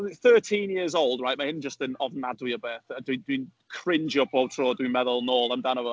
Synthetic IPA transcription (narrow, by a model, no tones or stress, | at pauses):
θɜˑtʰĩnjɪəzowlˠdɹajʔmaɪɛnd͡ʒəstə̃nəvnadwiəbɛθədɪdɪ̃nkʰɹ̥ɪ̃nd͡ʒiəpʰɔwtʰɹɔːdwĩnmɛðəlˠnɔːlˠaɪmdanəvə